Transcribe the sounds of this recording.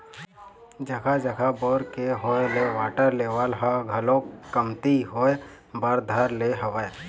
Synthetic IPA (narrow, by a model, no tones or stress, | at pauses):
d͡ʒəkʰad͡ʒəkʰaboːɾkeɦoːeleʋaːʈəɾleʋalɦaɡʱɐlõkəmt̪iɦoːe | bəɾd̪ʱəɾleɦəʋəe